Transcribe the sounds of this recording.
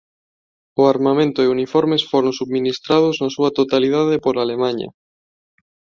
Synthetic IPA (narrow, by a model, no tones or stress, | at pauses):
oaɾmamẽnt̪oɪunifɔɾmesfoɾõnsuβminist̪ɾað̞ʊznasuat̪ot̪alið̞að̞epoɾalemãɲɐ̰